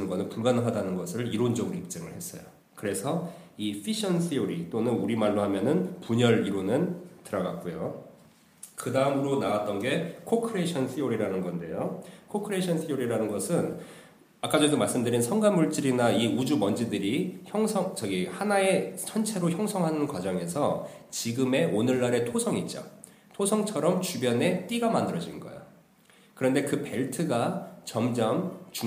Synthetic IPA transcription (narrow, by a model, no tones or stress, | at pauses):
nɡʌnɯnpuɭɡanɦadanɯnɡʌsʰɯɭiɾond͡ʑʌɡɯɾoip̚t͡ɕ͈ʌŋɯɭhe̞s͈ʌ̰jo | kɯɾe̞sʰʌ | ipʰiɕʰʌnsʰijoɾit͈onɯnuɾimaɭːoɦamjʌnɯnpuɲʌɾiɾonɯntɯɾʌɡak͈̚ujo | kɯdaɯmɯɾonawat͈̚ʌnɡe̞kʰokʰɯɾeɕʰʌnsʰijoɾiɾanɯnɡʌnde̞jokʰokʰɯɾeɕʰʌnsʰijoɾiɾanɯnɡʌsʰɯn | ak͈ad͡ʑʌdomaɭs͈ɯmdɯɾinsʰʌŋɡanːuɭt͡ɕ͈iɾinaiud͡ʑumʌnd͡ʑidɯɾiçjʌŋsʰʌŋt͡ɕʌɡihanae̞t͡ɕʰʌnt͡ɕʰe̞ɾoçjʌŋsʰʌŋɦanɯnkwad͡ʑʌŋe̞sʰʌt͡ɕiɡɯme̞ʔonɯɭːaɾe̞tʰosʰʌŋit̚t͡ɕ͈o̰ | tʰosʰʌŋt͡ɕʰʌɾʌmt͡ɕubjʌne̞t͈iɡamandɯɾʌd͡ʑinɡʌ̰jo̰ | kɯɾʌnde̞kɯpe̞ɭtʰɯɡat͡ɕʌmd͡ʑʌmt͡ɕu